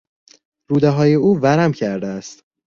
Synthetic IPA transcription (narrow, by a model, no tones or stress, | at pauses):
ɾuːd̪eɦɒːje̞uːvæɾæmcʰæɾd̪eæst̪